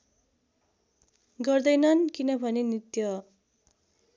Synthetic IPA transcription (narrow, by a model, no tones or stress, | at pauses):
ɡʌrd̪ʌjnʌnkinʌbʱʌnenit̪jʌ